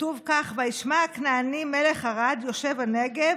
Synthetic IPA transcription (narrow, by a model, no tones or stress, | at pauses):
tuvkaχvajiʃmakneanimele̞χaʁad̪jo̞ʃe̞vaneɡev